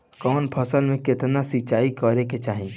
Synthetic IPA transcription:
kɔːnpʰəsəlmẽkɪt̪nasit͡ʃaːikɔɾeket͡ʃaːɦĩ

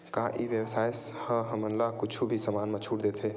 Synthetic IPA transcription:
kaːʔiʋjəwsaːjshəɦəmənlakʊt͡ʃʰubʱisəmaːnmãt͡ʃʰuːʈd̪eːt̪ʰɦeː

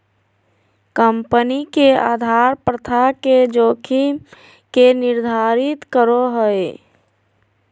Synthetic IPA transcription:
kəmpənikeaːd̪ʱaɾpɾət̪ʰaked͡ʒoːkʰi | kenɪɾd̪ʱaɾit̪kəɾoɦəe

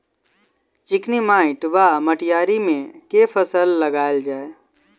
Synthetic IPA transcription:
t͡ʃɪknimaːɪʈʋaməʈjaːɾimẽkepʰəsəlːəɡaːld͡ʒaːe

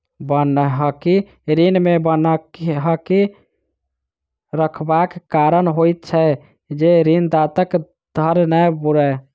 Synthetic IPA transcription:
bənəɦəki | ɾinmebənəkɦəki | ɾəkʰbakkaɾənɦojt̪̚t͡ʃʰɛ | d͡ʒeɾind̪at̪ək | d̪̥ʱəɾnəjbuɾə

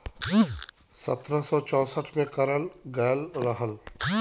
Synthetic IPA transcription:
sə̰t̪ɾəsɔt͡ʃɔ̃ːsəʈʰmẽkəɾəlɡɛːlɾəɦəl

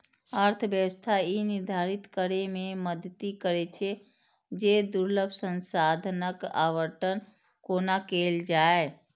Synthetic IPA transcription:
əɾt̪ʰəbjəwəst̪ʰainɪɾd̪ʱaːɾit̪kəɾemẽməd̪ʱət̪ikəɾet͡ʃʰe | d͡ʒed̪uɾləbʱsə̃nsad̪ʱnəka̰ːʋəɾʈən | koːnakeːld͡ʒaːe

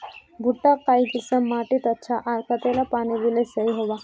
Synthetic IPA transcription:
bʱuʈːakaikisəmːaʈit̪at͡ɕʰaʔaɾkʰat̪elapaniʋilesəɦiɦoʋa

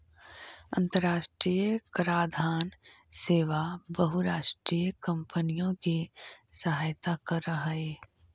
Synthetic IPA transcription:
ɐ̰̃nt̪əɾaːʃʈɾiːjəkɾaːd̪ʱaːnseːʋabɐɦʊɾaːʃʈɾiːjəkɐ̃mpənijõkesɐɦaːjt̪akɐɾɐɦeː

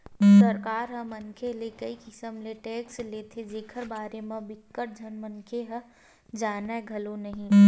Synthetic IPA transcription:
sɐɾkaːɾɦə̃mɐnkʰelekɐikɪsəmleʈeːksleːt̪ʰed͡ʒeːkʰəɾbaːɾemẽbɪkːəʈ̚d͡ʒʱɐnmɐnkʰeɦə | d͡ʒaːnaɡʱɐlonɐɦĩ

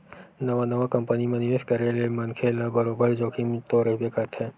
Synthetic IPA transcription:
nɐʋanɐʋakɐ̃mpənimẽnɪʋeːʃkɐɾelemɐnkʰelabɐɾoːbəɾd͡ʒoːkʰimt̪oːɾəbekəɾt̪ʰɦɛ̃ː

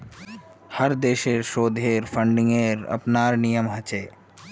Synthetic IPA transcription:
həɾd̪eːʃeːɾʃoːd̪ʱeːɾfʰə̃ɳɖɪ̃ŋɡeːɾɐ̰pnaːɾnijəmɦɐt͡ʃeː

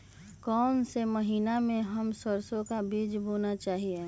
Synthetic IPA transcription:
kɔːnseməɦiːnamẽɦəmsəɾsõkabiːd͡ʒboːnat͡ʃaːɦiẽ

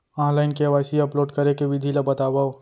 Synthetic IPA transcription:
ɔ̃ːnlaːɪnkeɐʋaːsiɐploːɖkɐɾekeʋɪd̪ʱilabɐt̪aːbao

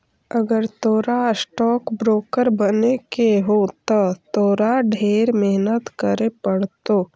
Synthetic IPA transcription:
əɡəɾt̪oːɾasʈɔːkbɾoːkəɾbənekeɦot̪at̪oːɾaɖʱeːɾmeɦnət̪kəɾepəɽt̪oː

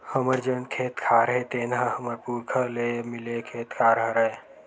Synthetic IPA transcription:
həməɾd͡ʒenkʰet̪kʰaɾɦet̪enɦəhəməɾpuɾkʰəlemilekʰet̪kʰaɾəɦɾəj

